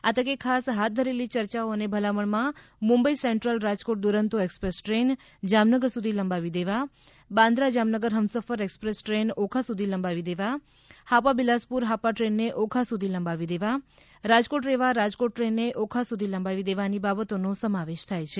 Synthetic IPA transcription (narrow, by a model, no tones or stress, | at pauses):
at̪əkekʰasɦat̪̚d̪ʱəɾelit͡ʃəɾt͡ʃaoənebʱəlaməɳmãmũmbəisɛɳʈɾəlɾad͡ʒkoʈ̚d̪uɾənt̪uekspɾesʈɾen | d͡ʒamnəɡəɾsud̪ʱiləmbaʋid̪eʋa | bãnd̪ɾad͡ʒamnəɡəɾɦəmsəfəɾekspɾesʈɾenokʰasud̪ʱiləmbaʋid̪eʋa | hapabilaspuɾɦapaʈɾenːeʔokʰasud̪ʱiləmbaʋid̪eʋa | ɾad͡ʒkoʈɾeʋaɾad͡ʒkoʈʈɾenːeʔokʰasud̪ʱiləmbaʋid̪eʋanibabət̪onosəmaʋeʃt̪ʰajt͡ʃʰe